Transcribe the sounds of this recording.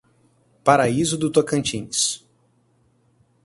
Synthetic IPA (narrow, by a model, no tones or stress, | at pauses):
paɾaizʊd̪ut̪oɾkɐ̃nt͡ʃĩnɪs